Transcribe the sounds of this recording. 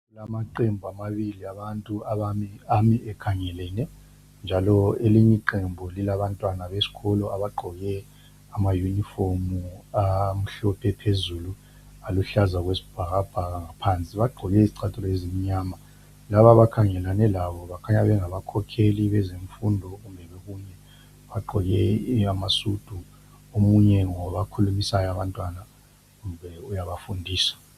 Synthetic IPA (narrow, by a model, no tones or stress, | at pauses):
lamaǃembʱuamaβiliaβantʼuaβaiamiʔɛkʰaŋɛlɛnɛ | nd͡ʒʱalɔeliɲiǃembʱulilaβantʼwanaβesi̥ɣɔlɔaβaɡ͡ǃʱɔɣɛ | amajunifomuam̩ɬɔpʰɛpʰezulu | aluɬazaɣwesi̥b̥ʱaɣab̥ʱaɣaŋapʰant͡sʼiβaɡ͡ǃʱɔɣɛiziǀʰatʰʼɔlezimiɲama | laβaβakʰaŋɛlanɛlaβɔβakʰaɲaβɛŋaβakʰɔkʰeliβɛzeɱfundʱɔɣumbʱɛβeɣunɛ | βaɡ͡ǃʱɔɣɛamasud̥ʱu | omuɲɛŋɔβakʰulumisajɔaβantʼwana | ɣumbʱɛujaβafundʱiːsḁ